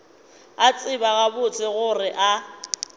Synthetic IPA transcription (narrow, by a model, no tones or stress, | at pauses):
at͡sʼɪbaɣabʊt͡sʼɪɣʊrɪʔa